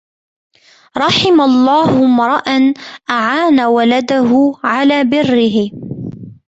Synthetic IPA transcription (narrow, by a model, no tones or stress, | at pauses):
ɾˤɑħɪmalˤːɑːhʊmɾˤɑʔanʔaʕaːnawalad̪aɦʊʕalaːbɪrːɪɦɪ